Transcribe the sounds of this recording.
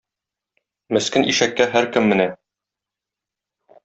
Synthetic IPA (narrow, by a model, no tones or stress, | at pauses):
mɘ̆skɘnʔiʃækːæɦæɾkɘmːɘ̆næ